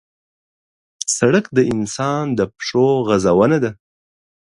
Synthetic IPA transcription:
saɽəkd̪əɪnsɑnd̪əpʂoɣazawənad̪a

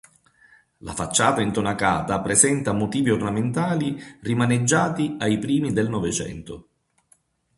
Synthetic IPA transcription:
la̰fat͡ʃːaːt̪aint̪onakaːt̪apɾesɛnt̪amʊt̪iːviornament̪aːlirimaned͡ʒːaːt̪iajpɾiːmid̪elnɔvet͡ʃɛ̰nt̪ʊ

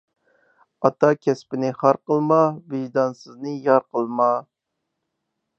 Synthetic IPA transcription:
ɑt̪ɑkʲʰɛspɪnɪχɑɾqəlˠmɑbɪʒd̪ɑnsɨznɨjɑɾqəlˠmɑ

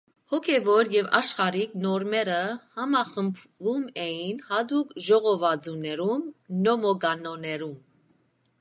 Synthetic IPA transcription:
hɔkʰɛvɔɾjɛvɑ̰ʃχɑɾiknɔɾmɛɾəhɑmɑχəmpʰvumɛjinhɑd̪ukʒɔʁɔvɑd͡zunɛɾumnɔmɔɡɑnɔnɛɾum

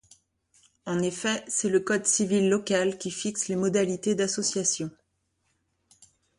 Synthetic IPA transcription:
ɑ̃nefɛsɛləkɔd̪sivilːɔkʲalkʲifikslemɔd̪alit̪ed̪asɔsjasjɔ̃

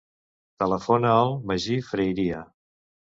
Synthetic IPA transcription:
t̪ələfonəəlˠməʒifɾəjɾiə

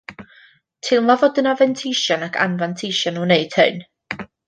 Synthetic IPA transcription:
tʰɪlˠmvavɔdənavɛntʰɪjʃjɔnakʰa̰nvantʰɪʃjɔnuneɨd̥hɨ̰n

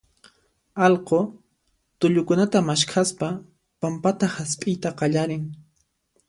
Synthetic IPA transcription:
ɑlqo | t̪ʊʎʊkʊnat̪amaʃkʰaspa | pampat̪ahaspʼɪjt̪aqɑʎaɾɪŋ

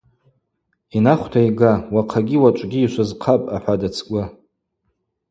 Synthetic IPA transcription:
inaχʷtʰaiɡawaqʰaɡʲiwat͡ʃʷʼɡʲiːʃʷazqʰapʼaħʷadat͡sʰkʷʼa

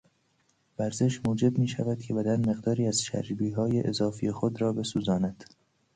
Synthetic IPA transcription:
væɾze̞ʃmuːd͡ʒe̞bmiːʃæ̰væd̪̚cʰe̞bæd̪ænme̞ɣd̪ɒːɾiːæz̥ʃæ̰ɾd͡ʒbiːɦɒːjeʔezɒːfijexod̪ɾɒːbe̞suːzɒːnæd̪̥

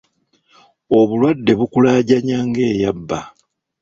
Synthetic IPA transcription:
o̞βulwadːe̞βukulaːɟaɲaːŋɡe̞ːjabːa

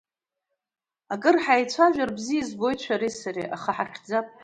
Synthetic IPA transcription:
akʼɨrħajt͡ɕʷʰaʒᶣarbzijizbo̞jt͡ɕʷʰaɾisaɾḭʔa̰χaħaχʲd͡zapʼ

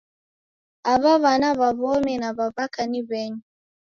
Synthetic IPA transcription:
aβaβanaβaβɔmɛnaβaβakaniβɛɲi

